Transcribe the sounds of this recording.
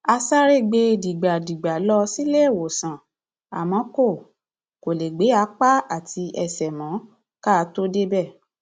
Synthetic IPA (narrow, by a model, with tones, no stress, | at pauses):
a˧sa˦ɾe˦˨ɡ͡be˧di˨ɡ͡ba˨di˨ɡ͡ba˨lɔ˧si˦le˦˨wo˨sã˨ | a̰˨mɔ̃˨˦ko˦˨ | ko˨le˨ɡ͡be˨˦a˧˦k͡pa˦a˦˨ti˧ʔɛ˧˨sɛ˨mɔ̃˨˦ | ka˦˧to˦de˦bɛ˦˨